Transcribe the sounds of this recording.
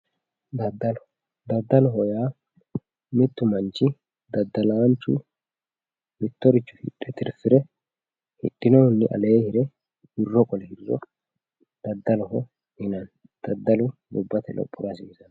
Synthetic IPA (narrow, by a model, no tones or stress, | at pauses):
d̪ɐd̪ːɐlɔ | d̪ɐd̪ːɐlɔɦɔjaː | mɪt̪ːʊmɐnt͡ʃːɪ | d̪ɐd̪ːɐlɐwnt͡ʃːʊ̰ | mɪt̪ːɔɾɪt͡ʃːʊ̥hɪ̰ɗʼːɛt̪ɪɾfɪɾɛ | hɪ̰ɗːɪnɔʊnːɪʔɐ̰le̞ːhɪɾɛ | hɪrːɔkʼɔlɛhɪrːɔ̰ | d̪̥ɐd̪ːɐlɔɦɔ | hɪnɐn | d̪̥ɐd̪ːɐlʊd̪ʊbːɐt̪ɛlʔɔ̰pʼːʊɾɐsiːsɐn